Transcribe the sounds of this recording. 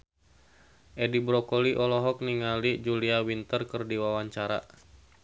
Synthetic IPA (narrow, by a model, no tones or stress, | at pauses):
ʔɛdibɾɔkɔliʔɔlɔɦɔk̚niŋalid͡ʒuliawint̪ərkɨrdiwawaɲt͡ʃaɾa̰